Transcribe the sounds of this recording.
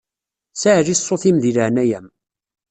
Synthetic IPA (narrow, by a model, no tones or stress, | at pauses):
saʕʒisˤːoθimðiləʕnæjæm